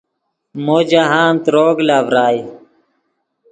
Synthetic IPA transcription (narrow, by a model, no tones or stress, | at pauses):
moːd͡ʑaɦaːnt̪ɾoːɡlaːʋɾaːj